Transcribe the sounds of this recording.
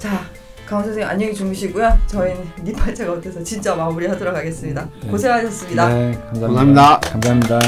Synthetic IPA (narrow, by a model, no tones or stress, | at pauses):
t͡ɕa | kaʌŋsʰʌŋsʰeŋa̰ɲeɡit͡ɕuŋɡɯɕʰiɡujot͡ɕʌinipʰaɭt͡ɕʰeɡaotʰesʰʌt͡ɕint͡ɕ͈amamuɾiɦadʌɾokʰaɡe̞s͈ɯmɲidakos̬ʰe̞kaɕʰʌs͈ɯmɲidakamsaaidakamsʰamɲida